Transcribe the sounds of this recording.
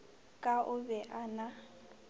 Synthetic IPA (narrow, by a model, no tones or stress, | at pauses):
kʼaʔʊbɛʔana